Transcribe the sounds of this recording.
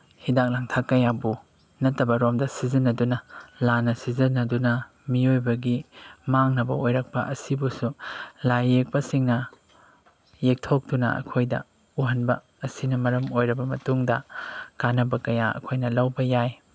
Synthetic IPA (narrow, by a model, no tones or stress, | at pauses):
hidak̚laŋtʰakːɐjabu | nɐtːɐbɐɾomdɐsizɐnːɐdunɐlanɐsizɐnːɐdunɐ | miojbɐɡimaŋnɐbɐ̰ojɾɐk̚pɐ̰ʔɐsibusulajːek̚pɐsiŋnɐ | jek̚tʰok̚dunɐ̰ɐ̰kʰojdɐ̰ | uɦɐnbɐ̰ | ɐsinɐmɐɾɐmojɾɐbɐmɐtuŋdɐkanɐbɐkɐjaɐ̰kʰojnɐlɐwbɐjaj